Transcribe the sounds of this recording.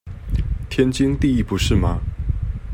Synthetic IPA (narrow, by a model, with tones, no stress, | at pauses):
t̪ʰjɛ˥nt͡ɕi˦ŋt̪i˥˧i˥˩pu˨˦ʂɻ̩˥˩ma˨